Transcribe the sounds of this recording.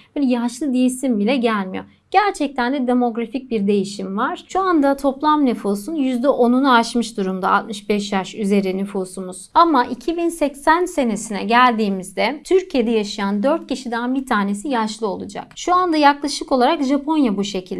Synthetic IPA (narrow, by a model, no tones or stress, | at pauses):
bøːlʲjaʃlˠɯd̪ijesimbilʲɛɟælʲmijo̞ | ɟ̥æɾt͡ʃʰɛc̚t̪ʰænd̪ɛd̪e̞mo̞ɡɾafic̚biɾd̪e̞jiʃimvaɾ̥ʃuand̪at̪ʰo̞plˠamnyfusunjyzd̪ɛʔo̞nunuaʃmɯʃd̪uɾumd̪a̰a̰t̪mɯʃbɛʃjaʃyze̞ɾinyfuːsumuz̥amaʔicʰibinsɛcsænse̞ne̞sinɛ̰ɟælʲd̪iːmizd̪ɛt̪ʰyɾcʰije̞d̪ɛjaʃajand̪øɾt̪̚cʰiʃid̪ænbit̪ʰaːne̞sijaʃlˠɯo̞lˠud͡ʒa̰kʃuand̪ajaklˠaʃɯko̞lˠaɾakʒapʰo̞njabuʃe̞cʰilʲ